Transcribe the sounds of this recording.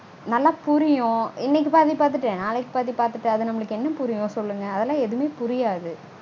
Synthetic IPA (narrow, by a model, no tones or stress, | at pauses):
nɐlːaːpʊɾɪjõɪnːɛk̬ːɯpaːɾt̪ipaːɾt̪̬ɯʈːẽːnaːlɛk̬ːɯ̥paːɾt̪ipaːɾt̪ɯʈːɯɐðɯnɐmːɐɭɯkːɯɛnːɐpʊɾɪjõsɔlːɯŋɡɐɐðɛlːãːɛðɯmeːpʊɾɪjaːðɯ